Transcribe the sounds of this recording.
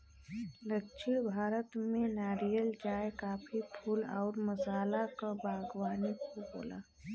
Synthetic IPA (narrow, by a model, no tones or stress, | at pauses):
ləkʃiɽbʱaːɾət̪mẽnaːɾijəld͡ʒaːekaːpʰipʰulɔːɾməsaːlakabʱaːɡwaːnikobo̰ːla̰ː